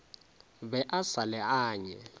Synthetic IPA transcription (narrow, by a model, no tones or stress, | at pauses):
bɛʔasalɛaːɲɛ